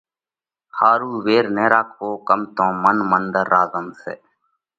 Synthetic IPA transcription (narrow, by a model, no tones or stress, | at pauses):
haːɾuːʋeːɾneːɾaːkʰʋoːkəmt̪õːmənmənd̪əɾːaːzəmsḛː